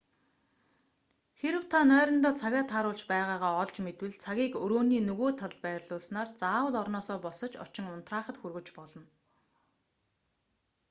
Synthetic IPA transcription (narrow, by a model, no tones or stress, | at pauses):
xeɾɘ̆w̥t̪ʰanœːɾɞ̆nt̪ɔːt͡sʰaɣʲaːt̪ʰaɾʊːɮt͡ɕpæːʁaːʁaːɔɮt͡ɕmet̪wɘ̆ɮt͡sʰaɣʲiːkɵɾoːniːnɵɣoːt̪ʰaɮpæːrɮʊːsnaːrt͡saːwə̆ɮɔrnɔːsɔːpɔsɞ̆t͡ɕɔ̰t͡ɕɪ̆ŋʊn̥t̪raːχə̆t̪xurɣɵ̆t͡ɕpɔɮɞ̆n